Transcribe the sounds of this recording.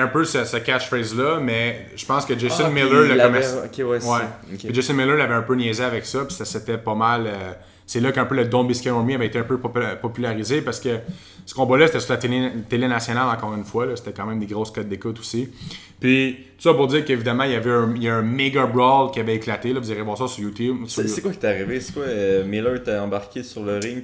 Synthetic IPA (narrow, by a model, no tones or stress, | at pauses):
ɛ̃pøsəsəkʲaʃfɛzlʌmɛ | ʒə̥pɑ̃skəd͡ʒesɪnmelələɔmɛwɛ | id͡ʒesɪnmeləlavɛɛ̃pønjɛzeavɛksʌpi̥saset̪ɛpɔmalø | selʌkɛ̃pøləd̪ɔ̃biskʲɛ̃ɔmiavɛet̪eɛ̃pøppɔpylaʁizepaʁsə̥kə | sə̥kɔ̃bɔlʌset̪ɛsyʁlat̪t̪elenasjɔnalɑ̃kɔːʁynfwalɔse̥t̪ɛkãmɛ̃md̪eɡʁoskɔt̪̚d̪ekʊt̪u̥si | pɥi | t̪u̥sʌpʊʁd̪d͡ziːʁkəevid̪amɑ̃iljavɛɛ̃jaɛ̃meɡabɹɔlkʲiavɛeklat̪elɔvuziʁevwaːʁsɔsyʁjut̪jubssekwakʲjt̪aʁivese̥kwameləɹet̪ɛɑ̃baʁkʲesyʁləʁɪŋ